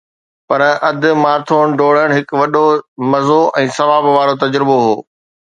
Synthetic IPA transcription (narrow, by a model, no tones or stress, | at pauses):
pɐɾɐd̪ɪ̆maːɾt̪ʰoːɽ̃̆ɖoːɽ̤əɽ̃ɦɪkʋɐɗomɐzoʔɛ̃ːsɐʋaːbʋaːɾot̪ɐd͡ʑɾɪboɦoː